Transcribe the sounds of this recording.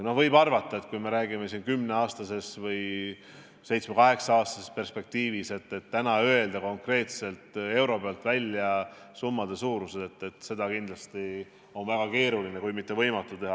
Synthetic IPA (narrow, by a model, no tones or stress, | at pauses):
no̞hvɤjbɑrvɑt̪ˑːɑe̞t̪̚kujme̞ɾæːɡime̞siːnkymne̞ɑːst̪ɑse̞svɤj | se̞jt̪smekɑɦe̞ksɑɑːst̪ɑ̥sespe̞rspe̞k̚t̪iːvise̞t̪ːe̞t̪ːænɑøe̞ld̪̥ɑko̞ŋkre̞ːt̪se̞lt̪e̞wɾo̞beɑlt̪vælʲjɑ | sumːɑd̪e̞suːɾused̪et̪ˑːe̞t̪se̞d̪ɑkind̪lɑst̪i | o̞nvæɡ̥ɑke̞ːɾulinekujmit̪ːˑevɤjmɑt̪ːˑut̪e̞ɦɑ